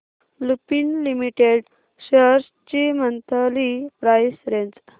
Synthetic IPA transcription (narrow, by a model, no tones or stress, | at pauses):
lupinlimiʈeɖ | ɕəɾs | t͡ɕimənt̪ʰəlipɾajsɾend͡z